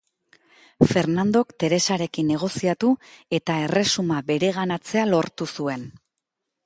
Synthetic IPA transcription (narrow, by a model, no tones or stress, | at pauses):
fe̞ɾnand̪o̞kt̪e̞ɾe̞saɾe̞kinːe̞ɣ̞o̞siat̪ue̞t̪ae̞re̞sumabe̞ɾe̞ɣanat͡se̞alo̞ɾt̪usue̞n